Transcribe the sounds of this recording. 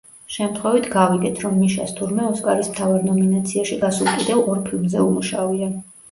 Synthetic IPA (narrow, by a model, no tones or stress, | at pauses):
ʃɛmt̪ʰχwɛvit̪ʰɡaviɡɛt̪ʰɾɔmniʃa̰st̪ʰuɾmɛɔskʼaɾismt̪ʰavaɾnɔminat̪sʰiaʃiɡasulˠkʼid̪ɛvɔɾpʰilˠmzɛumuʃavia